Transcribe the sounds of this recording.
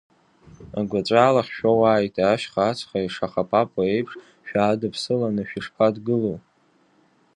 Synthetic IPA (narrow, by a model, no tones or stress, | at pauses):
aɡʷat͡ʃʷʼaːlaχʲʃᶣawaːjtʼaːʃχaːt͡sʰχaiʂaχapʼapʼae̞jpʰʂ | ʃᶣaːdɨpʰsɨlanɨʃᶣiʂpʰadɡɨlow